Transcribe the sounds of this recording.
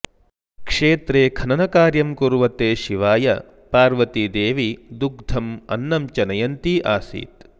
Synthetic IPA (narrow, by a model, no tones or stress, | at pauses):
kʂeːt̪ɾeːkʰɐnɐnɐkaːɾjɐmkuɾuʋɐt̪eːʃiʋaːjɐ̰ | paːɾʋɐt̪id̪eːʋid̪uk̚d̪ʱɐmɐ̰nːɐmt͡ʃɐnɐjɐnt̪iʔaːsḭːt̪